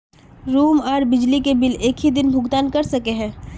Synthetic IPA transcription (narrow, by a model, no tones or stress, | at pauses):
ɾuːmɔːɾbɪd͡ʒlikebɪleːkɦid̪ɪnbʱʊɡt̪aːnkɐɾsɐkeɦɛ̃ː